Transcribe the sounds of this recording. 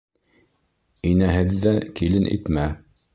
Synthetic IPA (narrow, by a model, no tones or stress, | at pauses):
inæɦɘðːækilɘnʔḭt̪mæ